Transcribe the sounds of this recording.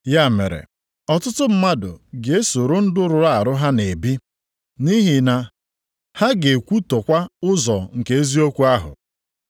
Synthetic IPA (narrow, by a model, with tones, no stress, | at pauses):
ja˦˨mḛ˨ɾḛ˨ | ɔ˨tʊ˦tʊ˦m̩˦ma˦dʊ̰˨ɡe˨e˦so˨ɾʊ˦n̩˦dʊ˦ɾʊ˨ɾa˨a˨ɾʊ˦ɦa˦ne˨bi˦ | ni˦ɦi˨na˨ | ha˦ɡe˨kʷu˦to˨kʷa˦ʊ˦zɔ˨ŋ̩˨ke˨e˦zi˦o˦kʷu˦a˦ɦʊ̰˨